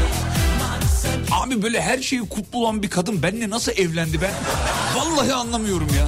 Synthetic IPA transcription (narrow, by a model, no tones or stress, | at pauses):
aːbibø̞ːlʲɛɦæɾʃe̞jikʰut̪̚ʰlˠuolˠanbikʰad̪ɯnbænːɛnasɯlˠɛvlʲænd̪ibænvalˠːaːɦɯanlˠamɯjo̞ɾumjaː